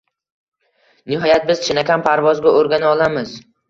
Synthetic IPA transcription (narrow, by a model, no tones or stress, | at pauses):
nɪɦɒjat̪̚bɪz̥t͡ʃʰɪnakʲʰanpʰaɾvɒzɡʲaʔoɾɡʲanɪɒlˠamɪz